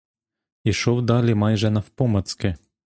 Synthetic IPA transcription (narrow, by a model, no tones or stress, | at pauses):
iʃɔwd̪ɑlʲimɑjʒɛnɐwpɔmɐt̪skɪ